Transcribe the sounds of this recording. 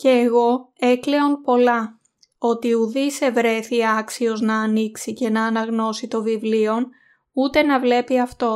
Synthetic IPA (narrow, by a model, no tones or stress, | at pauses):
ce̞ːɣo̞e̞kle̞onpo̞lɐ | o̞t̪iuðise̞vɾe̞θiɐksio̞znɐːniksice̞nɐːnɐɣno̞sit̪o̞vivlio̞n | ut̪e̞nɐvle̞piɐft̪o̞